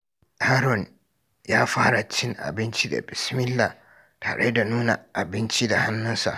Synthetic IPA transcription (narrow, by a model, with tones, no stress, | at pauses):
ha˦ɾɔ˨n | jaː˦faː˦ɾa˨t͡ʃːɪ˦nʔa̰˨bɪ˦nt͡ʃi˦da̰˨bɪ˨smɪ˦lːa˨ | tʰa˨ɾʔḛ˦da˨nuː˦na̰˨a˨bɪ˦nt͡ʃi˦da˨ha˦nːʊ˦nsa̰˨